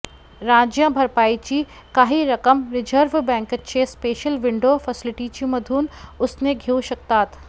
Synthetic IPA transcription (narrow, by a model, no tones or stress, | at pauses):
ɾãːd͡ʒjãbʱɐɾpaːit͡ʃi | kaːɦiɾɐkəmɾɪd͡ʒəɾʋbɛ̃ːŋkʃespeːʃəlʋɪɳɖoːfʰɐsɪlɪʈit͡ʃimɐd̪ʱuːnʊsneɡʱiuʃɐk̚t̪aːt̪